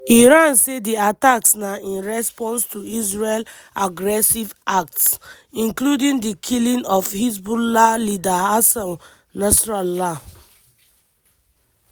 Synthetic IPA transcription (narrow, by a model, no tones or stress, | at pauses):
iɹãnsediataksnaĩnɹɛspɔ̃nstuisɹel | aɡɹɛsivak̚ts | ĩŋkludĩŋdikʰilĩnɔfhis̬bulalidaasãm | nasɹala